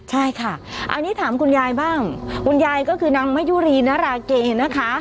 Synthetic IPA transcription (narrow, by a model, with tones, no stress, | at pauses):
t͡ɕʰa˥˩jkʰa˥˩ʔa̰˧nːiː˦˥t̪ʰaː˩˦mkʰu˧njaː˧jbaː˥˩ŋkʰu˧njaː˧jkɔː˥˩kʰɯː˧na˧ŋma˦˥juː˦˥˩ɾiː˧naː˦˥ɾaː˧keː˧na˦˥kʰa˦˥